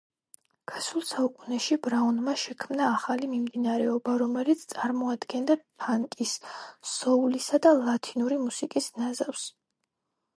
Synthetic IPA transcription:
ɡ̥ʰasulˠsaukʼunɛʃibɾaunmaʃɛkʰmnaːχalimimd̪inaɾɛɔbaɾɔmɛlit̪sʰt̪sʼaɾmɔad̪ɡɛnd̪apʰaŋkʼisː | ɔulisad̪alˠat̪ʰinuɾimusikʼisnazafs

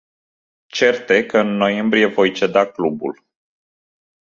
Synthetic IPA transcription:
t͡ʃe̞rt̪e̞kəɨnːo̞je̞mbɾije̞vo̞jt͡ʃe̞d̪aklubṵl

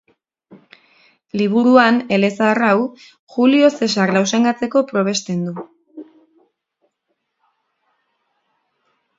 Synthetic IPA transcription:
liβ̞uɾuane̞le̞saraw | xulio̞se̞s̬aɾlaws̬e̞ŋɡat͡se̞ko̞pɾo̞β̞e̞st̪e̞nd̪u

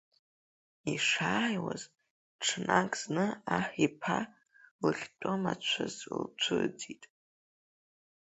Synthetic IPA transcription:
iʂaːjwaz | ʈ͡ʂʰnakʼz̥nɨaħipʰa | lɨχʲtʷʼomat͡ʃʷʰazlt͡ʃʷʰɨd͡zitʼ

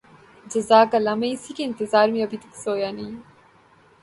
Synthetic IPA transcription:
d͡ʑɐzaːkɐlɐmɐisikeːnt̪ɪzaːɾmiɐbit̪iksoːjani

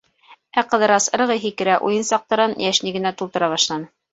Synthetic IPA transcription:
æqɤ̆ðɤ̆ɾɑsɤ̆ɾɤ̆ʁɤjɦikɘ̆ɾæʔṵjɤnsɑq̚t̪ɤ̆ɾɑnjæʃniɡɘ̆næt̪ulˠt̪ɤ̆ɾɑβɑʃlˠɑnɤ

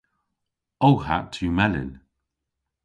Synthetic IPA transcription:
owha̰tʰuːmɛlɪ̰n

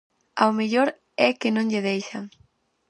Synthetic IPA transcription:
a̰omeʎoɾ | ɛkɪnõŋʎɪðejʃaŋ

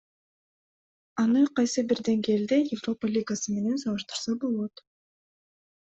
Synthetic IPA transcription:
ɑnɯqɑjsɯbiɾd̪e̞ŋɡe̞ːld̪e̞jɪvro̞palʲiɡasɯme̞ne̞nsɑlˠɯʃt̪ɯ̥ɾsɑbo̞lˠo̞t̪

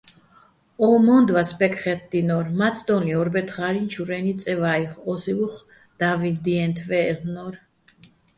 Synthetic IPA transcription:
ɔmɔnd̪vaspɛkʰʼχɛt̪̚ʰd̪inɔɾmat̪sʰd̪ɔniɔɾbɛt̪χaɾint͡ʃʰuɾɛnit̪sʼɛvaiχɔsivuχ | d̪̥avind̪iɛnt̪ʰvɛːlnɔɾ

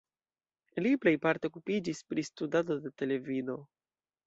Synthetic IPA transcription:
liple̞jpaɾteokupid͡ʒispɾistudado̞de̞te̞le̞vido̞

